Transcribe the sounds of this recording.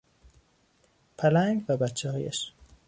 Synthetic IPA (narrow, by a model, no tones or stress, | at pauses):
pʰælæŋɡvæbæt͡ʃʰːɛhɒːjæ̰ʃ